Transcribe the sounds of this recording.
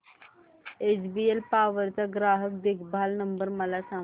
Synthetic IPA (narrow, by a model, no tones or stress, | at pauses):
ed͡ʑbielpaʋəɾt͡saɡɾaɦək̚d̪ekʰbʱalnəmbəɾməlasã